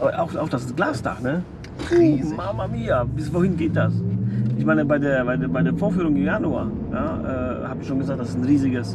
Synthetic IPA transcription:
ʔʔa̰ʊxa̰ʊxd̥asɪstɡ̥laːstʰa̰χnə | imamamiːabɪsvohɪnɡeːt̚d̥asʔɪçmaɪnəbaɪdeːɐbaɪdːbaɪdeːɐfoːɐfyːʁʊŋɪnjanua̰ɐ | ja̰ːʔɛ̰ː | haːbɪçʃoːnɡəzaːk̚td̥asɪsn̩ʁiːzɪɡəs

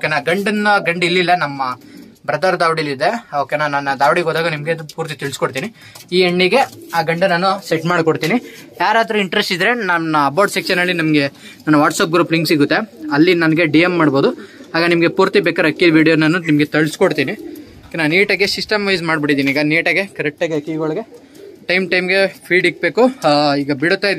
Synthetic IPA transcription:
okenaːɡɐɳɖɐnːɐɡɐɳɖilːilːɐnɐmːɐ | bɾɐd̪ɐɾd̪aːʋɽilid̪e̞oːkenaːnːɐnːɐd̪aːʋɽiɡoːd̪aːɡɐnimɐɡepuːɾt̪it̪ɐɭskoɽt̪iːni | iːeɳːiɡe̞aːɡɐɳɖɐnaːnuseʈmaːɽkoɽt̪iːnijaːɾaːd̪ɾuiɳʈɾesʈid̪ɾe̞naɐɐbaːɾʈsekʃɐnɐlːinɐmɐɡe̞ | naːnːuʋaːʈsaːp̚ɡɾuːpliŋksiɡut̪ːeɐlːinɐnɐɡeɖijemːaːɽboːd̪uaːɡɐnimɐɡe̞puːɾt̪ibeːkɐɾɐkːid̪ʋiːɽijonɐnːunimɐɡe̞t̪ɐɭskoɽt̪iːni | kenaːniːʈɐɡesisʈɐmʋɐjzmaːɖbiʈid̪iːniːɡɐniːʈɐɡe̞kɐɾek̚ʈaːɡeɐkːiɡɔɭɐɡe̞ | ʈɐjmʈɐjmɡe̞pʰiːɖik̚be̞ːkuiːɡɐbiɽut̪ːaːjid̪

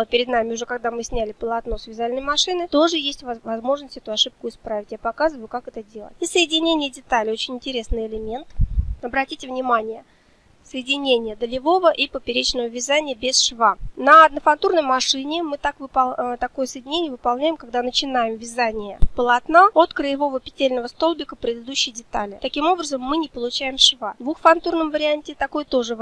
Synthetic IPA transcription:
pʲɪɾʲɪd̪namʲɪʊʐɛkaɡ̚d̪amɨsʲnʲælʲɪpəlˠɐt̪no̞svʲɪzalʲnəjmɐʂɨnɨt̪o̞ʐɨjesʲtʲvvɐzmo̞ʐnəsʲtʲɛt̪ʊɐʂɨp̚kʊɪspɾavʲɪtʲjapɐkazɨvəjʊkakɛt̪ədʲelˠə̰t̚ʲisəjɪdʲɪnʲenʲɪjədʲɪt̪alʲɪo̞t͡ɕɪnʲɪnʲtʲɪɾʲe̞snɨjɪlʲɪmʲe̞nt̪ɐbɾɐtʲitʲɪvnʲɪmanʲɪjə | səjɪdʲɪnʲenʲɪjəd̪əlʲɪvo̞vəʔipəpʲɪɾʲet͡ɕnəvəvʲɪzanʲɪjəbʲɪsʂvanəɐd̪nəfant̪urnəjmɐʂɨnʲɪmɨt̪akvɨt̪ɐko̞jəsəjɪdʲɪnʲenʲɪjəvɨpalˠnʲæjɪmkaɡd̪anət͡ɕɪnajɪmvʲɪzanʲɪjə̰pəlˠɐt̪naot̪kɾɨjɪvo̞vəpʲɪ̥tʲelʲnəvəst̪o̞lˠbʲɪkəpɾʲɪd̪ɨd̪uɕːɪjdʲɪt̪alʲɪt̪ɐkʲimo̞bɾəzəmːɨnʲɪpəlˠʊt͡ɕæjɪmʂvad̪vuxfɐnt̪urnəmvəɾʲɪanʲtʲɪt̪ɐko̞jt̪oʐɨ

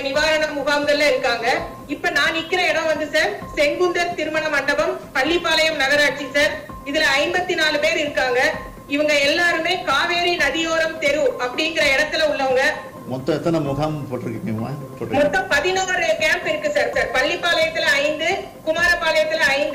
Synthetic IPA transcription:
nɪʋaːɾɐɳɐmːʊɣaːmɡɐɭɪlɐɪɾɯkːaːŋɡɐ | ɪpːɐnaːnɪkːɪɾɐɛɽɐ̃ʋʋɐnd̪ɯsaːɾsɛŋɡʊnd̪ɐɾt̪ɪɾɯmɐɳɐmɐɳɖɐbɐmpɐɭːɪpːaːlɐjɐmnɐɣɐɾaːʈ̚t͡ʃisaːɾ | ɪðɪlɐɐɪmbɐt̪ːinaːlɯpeːɾɪɾɯkːaːŋɡɐ | ɪʋɐŋɡɐɛlːaːɾɯmeːkaːʋeːɾinɐðɪjoːɾɐmt̪ɛɾɯɐpːɐɽɪŋɡɪɾɐɛɽɐt̪ːɪlɐʊɭːɐʋɐŋɡɐ | mɔt̪ːɐ̃ɛt̪ːɐnɐmʊɣampoːʈːɪɾɯkːɪŋŋɐ̰ma̰ːpoːɾmɔt̪ːɐ̃pɐðɪnaːɐɾɪkaːmpɪɾɯkːɯsaːɾsaːɾpɐɭːɪpːaːlɐjɐt̪ːɪlɐɐɪnd̪ɯ | kʊmaːɾɐpːaːlɐjɐt̪ːɪlɐɐɪnd̪

